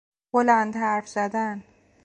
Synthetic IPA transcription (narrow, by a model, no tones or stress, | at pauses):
olænd̪hæɾfz̥æd̪æn